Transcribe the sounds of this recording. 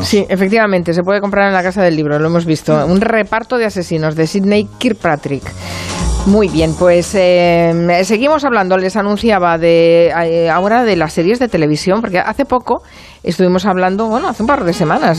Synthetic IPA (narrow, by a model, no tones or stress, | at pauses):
siʔefek̚t̪iβamẽ̞nt̪es̬e̞p̬weðeko̞mpɾaɾenlakasaðe̞lːiβ̞ɾoloe̞mo̞zβist̪o̞unre̞paɾt̪oð̞e̞ase̞sino̞zðe̞siðnejkiɾpɾat̪ɾik | mujβje̞npwe̞se | se̞ɣ̞imo̞saβland̪ole̞sanũn̟θjaβaðe | aoɾaðe̞lasːe̞ɾje̞zðe̞t̪e̞le̞β̞isjo̞mpo̞ɾkeʔaθe̞po̞ko̞ | e̞st̪uβimo̞saβland̪o̞βwe̞no̞aθeumpaɾðe̞se̞mãnas